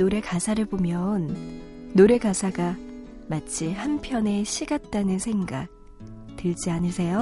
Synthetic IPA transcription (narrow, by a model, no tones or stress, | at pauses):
oɾe̞kasʰaɾɯɭbomjʌnː | oɾe̞ɡasʰaɡa | mat͡ɕʰihampʰjʌne̞ɕʰiɡat̚t͈anɯnsʰe̞ŋɡak̚ | tɯɭd͡ʑianɯɭsʰe̞jo